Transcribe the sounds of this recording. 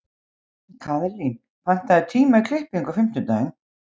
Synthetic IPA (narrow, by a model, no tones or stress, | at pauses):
kʰaːðɛɾlin | fant̪ːaɛt̪ʰiːmakʰlɪhpiŋkafɪm̥t̪ʏt̪aːjɪn